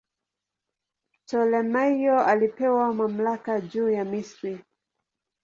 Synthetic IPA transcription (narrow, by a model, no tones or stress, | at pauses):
tɔlɛmajɔalipɛwamam̩lakad͡ʒuːjamisɾi